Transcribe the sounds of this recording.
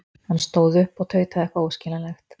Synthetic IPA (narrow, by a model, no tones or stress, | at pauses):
anst̪oːwðʏhpɔt̪ʰœɥt̪ʰaðɛhkaowscɛlalɛxt̪